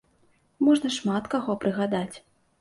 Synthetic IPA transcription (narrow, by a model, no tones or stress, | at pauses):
mɔʐnɐʂmat̪kaɣɔpɾɨɣad̪at͡sʲ